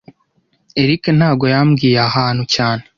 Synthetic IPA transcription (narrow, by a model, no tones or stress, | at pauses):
e̞ɾiken̥haːb̚ɡo̞jaːmɡiːjeahaːn̥hucaːne